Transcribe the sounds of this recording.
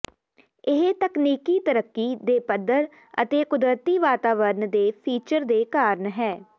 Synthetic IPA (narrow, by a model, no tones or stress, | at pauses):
ɪɦt̪əkniːkiːt̪əɾəkːiːd̪eːpəd̪əɾ | ə̰t̪eːkʊd̪ɾət̪iːʋaːt̪aːʋəɾənd̪eːpʰiːt͡ʃəɾd̪eːkaːɾənɦɛː